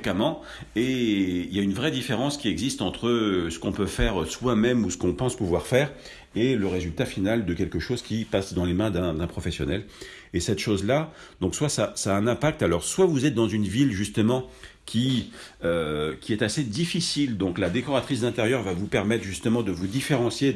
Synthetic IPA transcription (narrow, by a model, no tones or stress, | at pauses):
ekamɑ̃ | eiljaynvʁɛd̪ifeʁɑ̃skʲiɛɡzist̪ɑ̃t̪χəsə̥kɔ̃pøfɛʁswamɛmusə̥kɔ̃pɑ̃spuvwaʁfɛʁ | eləʁezylt̪afinald̪əkʲɛlkəʃozkʲipasd̪ɑ̃lemɛ̃d̪ɛ̃d̪ɛ̃pχɔfɛsjɔnɛl | esɛt̪ʃozla | d̪ɔ̃kswasasaːɛ̃nɛ̃pak̚t̪alɔʁswavuzɛt̪̚d̪ɑ̃zynvilʒyst̪əmɑ̃ | kʲʰiøkʲiɛt̪ased̪ifisild̪ɔ̃klad̪ekɔʁat̪χisd̪ɛ̃t̪eʁjœʁvavupɛʁmɛt̪χʒyst̪əmɑ̃d̪əvud̪ifeʁɑ̃sje